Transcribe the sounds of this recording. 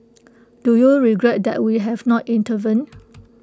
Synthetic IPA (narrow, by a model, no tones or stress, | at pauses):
d̥ujuɹiɡɹɛt̚d̪ɛ̰ʔ̚wiɦɛvnɔtĩntəvĩn